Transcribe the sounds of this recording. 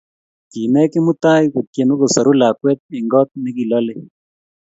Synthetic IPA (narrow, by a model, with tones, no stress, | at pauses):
ki˨mɛ˦kɪ˦mʊ˦t̪a˦jku˨t̚kje˨no˦ko˨sa˨ɾu˦la˨kwɛ˦t̪̚ɪ˨ŋɡɔ˦t̪̚nɛ˦ki˨lɔ˦le˦